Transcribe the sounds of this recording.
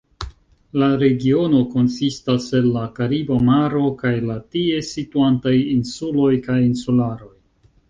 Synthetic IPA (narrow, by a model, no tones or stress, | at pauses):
laɾe̞ɡio̞no̞ko̞nsistase̞nːakaɾibamaɾo̞kajlatie̞situantajinsulo̞jkajinsulaɾo̞j